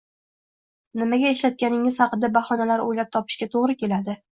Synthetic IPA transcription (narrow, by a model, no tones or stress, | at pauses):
nɪmaɡʲae̞ʃlat̪̚kʲanɪŋɪz̥hɑqɨd̪abaχɒnalaɾojlap̚t̪ʰɒpʰɪ̥ʃkʲat̪ʰoʁɾɪkʲʰe̞lad̪ɪ